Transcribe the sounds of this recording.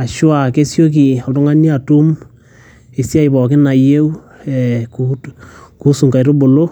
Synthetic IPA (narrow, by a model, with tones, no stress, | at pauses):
a˨ʃwa˨ke˦sjo˦k̬i˨ɔ˨ltʊ˦ŋa˦ni˦a˨tu˦m | e˨sja˦i˨bɔ˨kɪ˦na˨je˦u˦ | ɛ˨ku | ku˦su˨ŋka˨jɾo˦bo˨lo˦